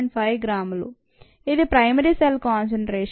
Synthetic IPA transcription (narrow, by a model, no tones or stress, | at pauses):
ɳɖpʰɐjɡɾaːmlṵ | id̪ipɾɐjmɐɾiselkaːnseɳʈɾeːʂ